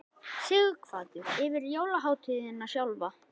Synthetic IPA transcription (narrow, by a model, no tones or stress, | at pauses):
sɪɣkʰvaːðʏɪvɪɾjoːwlaɦawt̪ʰʏðɪnːasjawlva